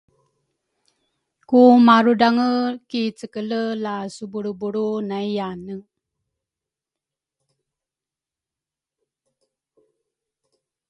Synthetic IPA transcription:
kumaɾudaŋəkit͡səkələlasubuɽubuɾunajanə

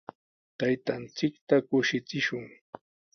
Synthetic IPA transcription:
t̪ajt̪ant͡sɪkt̪akʊʃɪt͡sɪʃʊŋ

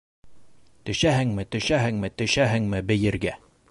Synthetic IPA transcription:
t̪ɵ̆ʃæɦɘŋmɘt̪ɵ̆ʃæɦɘŋmɘt̪ɵ̆ʃæɦɘ̆ŋmɘbɘ̆jɘ̆ɾɡæ

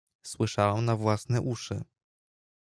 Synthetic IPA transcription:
swɘʂawɛmnavwasnɛʔuʂɘ̰

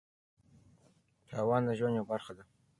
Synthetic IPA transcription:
t̪ʰɑːwɑnd̪əʒwanjawbaɾxad̪a

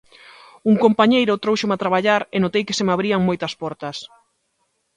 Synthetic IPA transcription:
uŋkompaɲejɾʊt̪ɾowʃomat̪ɾaβaʎaɾɪnot̪ejkɪsemaβɾiɐŋmojt̪ɐspɔɾt̪ɐs

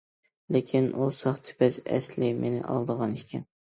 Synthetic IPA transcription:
lekʲʰinʔusɑχt̪ʰɪ̥pæsæ̰slɪmʔenɪ̰ʔɑ̰lˠd̪əʁɑnekʲʰɛn

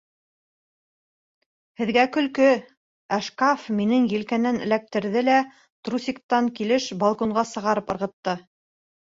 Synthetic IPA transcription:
hɘ̆ðɡækɵ̆lkɵ | æʃkafminɘŋjɘ̆lkænɘnɘ̆læk̚t̪ɘ̆ɾðɘlæ | t̪rusʲik̚t̪ɑŋkilɘʃbɑlˠkoɴɢɑsɤ̆ʁɑɾɤpɤ̆ɾʁɤ̆t̪ːɤ

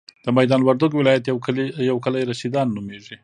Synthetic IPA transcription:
d̪̥əmajd̪ɑnwaɾd̪uɡwɪlɑjat̪akjawkəlajɾasid̪ɑnːumeʐi

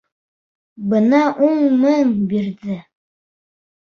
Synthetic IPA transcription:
bɤnɑʔuɴmɤŋbiɾðɘ

